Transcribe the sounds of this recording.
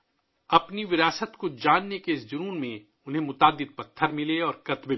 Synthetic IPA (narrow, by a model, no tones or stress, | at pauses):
ɐpniʋɪɾaːsət̪kod͡ʒaːnːekeɪsd͡ʒʊɾuːnmẽ | ʊnɦẽmʊt̪aːd̪ɪd̪̚pɐt̪ʰːəɾmɪleɔːɾkɐt̪be